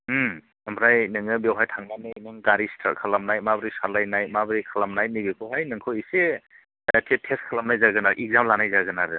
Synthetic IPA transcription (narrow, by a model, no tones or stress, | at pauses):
ɐmbʰɾajnɯŋɯbewɦajtʰaŋnanɯjnɯŋɡaɾistʰa̰lkʰalamnajmabɾisalajnajmabɾikʰalamnaj̚nibekʰɔɦajnɯŋkʰoise | tʰetʰeskʰalamnajzaɡɯnaɾʔik̚zamlanajzaɡɯnaɾɯ